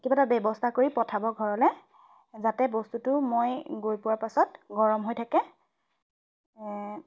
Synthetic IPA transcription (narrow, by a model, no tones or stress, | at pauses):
kibatabjɛbɔstʰakoɹipɹɔtʰabɔɡʱɔɹɔlɛ | zatɛbɔstutʊmojɡojpʊwaɹpasɔtɡɔɹɔmɦojtʰakɛ